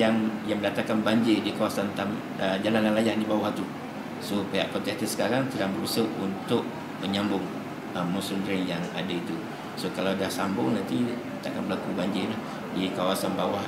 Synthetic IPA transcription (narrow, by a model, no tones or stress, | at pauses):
aŋjaŋməndat̪akːanbaɲd͡ʒɪdikawasant̪am | əd͡ʒalanlalajahnĩbawaht̪u | sopeɦa̰ʔpərtat̪əsə̥kaɾaŋtədaŋbəɾusəʔunt̪ʊʔ̚ | məɲambʊŋ | əmːosundɾɪŋjaŋa̰dait̪u | sokalawdahsambʊŋnant̪i | t̪a̰ʔkanbəlakubaɲd͡ʒɪlah | dikawasanbawah